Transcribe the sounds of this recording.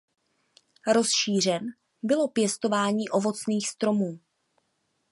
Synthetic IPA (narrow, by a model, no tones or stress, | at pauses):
ɾo̞sʃiːr̝ɛn | bɪlo̞pjɛst̪o̞vaːɲiːʔo̞vo̞t͡sniːxst̪ɾo̞muː